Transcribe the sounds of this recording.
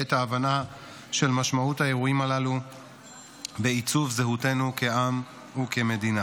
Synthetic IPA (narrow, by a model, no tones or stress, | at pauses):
etaːvana | ʃe̞lmaʃmauthae̞ʁuimalalu | be̞it͡suvzeɦute̞nuke̞ʔam | uke̞me̞dina